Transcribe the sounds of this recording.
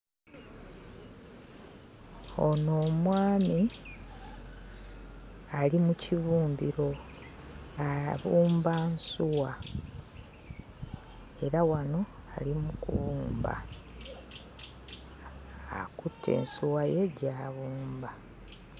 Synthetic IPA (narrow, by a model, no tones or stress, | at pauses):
ono̞ːmwaːmi | alimuciβuːmbiɾo̞ | aβuːmbansuwa | e̞ɾawano̞alimukuṵβuːmba̰ | kutʰːe̞̰ːnsuwaje̞ɟaːβuːmba